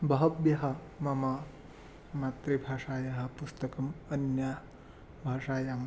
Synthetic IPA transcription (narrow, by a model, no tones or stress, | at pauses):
bɐɦɐbjɐɦɐ̆ | mɐmɐ | mat̪ɾibʱaːʂaːjɐɦɐ̆pust̪ɐkɐmɐnjɐ | bʱaːʂaːjam